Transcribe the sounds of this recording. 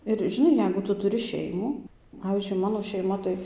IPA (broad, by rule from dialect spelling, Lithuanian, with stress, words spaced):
ɪr ʒʲɪˈnɐɪ ˈjɛɪɡʊ ˈtʊ tʊˈrʲɪ ˈʃʲɛɪmuː ˈpɑːʋʲiːzʲd͡ʒʲʊɪ ˈmɑːnoː ʃʲɛɪˈmɐ tɐɪ